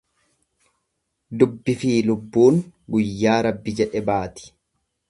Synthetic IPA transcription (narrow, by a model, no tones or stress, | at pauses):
d̪ʊbːɪfiːlʊbːuːŋɡʊjːaːɾɐbːɪd͡ʒɛᶑɛbaːt̪ɪ̥